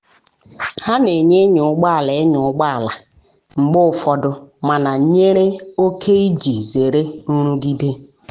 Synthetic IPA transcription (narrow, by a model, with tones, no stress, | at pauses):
ha˦ne˨ɲe˦ɲʊ˨ʊ˦ɡ͡ba˦˨le˨˦ɲʊ˨˦ɡ͡ba˦˨la˨ | ŋ͡m̩˨ɡ͡bʊ˦ʊ˨fɔ˨dʊ˨ma˨na˨ɲe˦ɾe˦o˦kʰe˦i˦d͡ʒi˨ze˨ɾe˦nu˦ɾu˦ɡi˦de˦